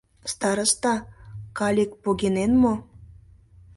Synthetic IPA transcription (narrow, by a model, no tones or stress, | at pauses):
st̪ɑɾəst̪ɑkɑlʲek̚poɣenenmo